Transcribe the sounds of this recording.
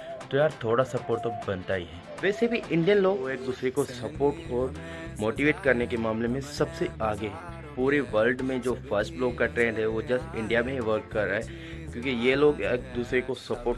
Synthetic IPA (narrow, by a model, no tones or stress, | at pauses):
t̪ojaːɾt̪ʰoːɽasɐpoːɾʈt̪obɐnt̪aːiɦɛː | ʋɛːsebʱiʔɪ̃ɳɖijənloːɡeːk̚d̪uːsɾekosɐpoːɾʈɔːɾ | moːʈiʋeːʈkɐɾnekemaːmlemẽsɐbseaːɡe | puːɾeʋɐlɖmẽd͡ʒoːfɐɾsʈbloːkkaʈɾẽːɳɖɦɛʋod͡ʒɐsɪ̰̃ɳɖijamẽʋɐɾkːɐɾːaːɦɛ | kjõːkijeloːɡeːk̚d̪uːsɾekosɐpoːʈ